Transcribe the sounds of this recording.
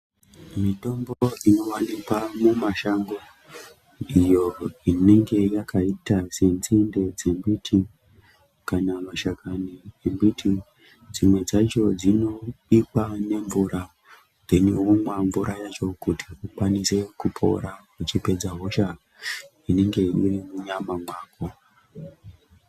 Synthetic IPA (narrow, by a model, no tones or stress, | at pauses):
mito̞mbo̞ino̞wanikwamumaʃaŋɡo | ijo̞ine̞ŋɡe̞jakʰaitasent͡sinde̞d͡ze̞mbitʰi | kanamaʃakaniembitʰi | d͡zimwe̞d͡zat͡ʃo̞d͡zino̞ɓikwane̞ɱvuɾa | neneɦumwaɱvuɾajat͡ʃo̞kutʰiʔukwanise̞kupʰo̞̰ɾa | ut͡ʃipe̞d͡zaɦo̞ʃa | ine̞ŋɡe̞ḭrimuɲamamwaːko̞